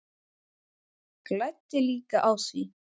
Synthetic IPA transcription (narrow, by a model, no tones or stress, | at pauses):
klajt̪ːɪliːkaʔawsvi